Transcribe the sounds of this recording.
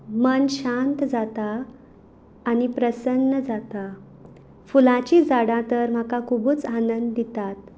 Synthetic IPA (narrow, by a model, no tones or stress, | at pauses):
mənɕant̪d͡zat̪a | nipɾəsənːəd͡zat̪a | fulãt͡ɕiːd͡zaɽãt̪əɾm̤akakʰubuːt͡sanənd̪ːit̪at̪̚